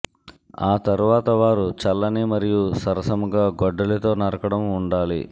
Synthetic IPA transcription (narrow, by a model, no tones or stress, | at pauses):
aːt̪ɐɾuʋaːt̪ɐʋaːɾut͡ʃɐlːɐnimɐɾijusɐɾɐsɐmuɡaːɡɔɖːɐlɐt̪o̞ːnɐɾɐkɐɽɐmuɳɖaːlḭ